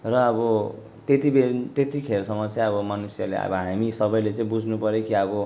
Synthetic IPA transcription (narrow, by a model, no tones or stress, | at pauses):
rʌːbʌ | t̪et̪ibet̪et̪ikʰeɾsʌmːʌt͡sjʌbʌmʌnusjalḛʌ̰bʌɦamisʌbʌjlet͡sʌĩbud͡zʱnupʌɾjokiʌbʌ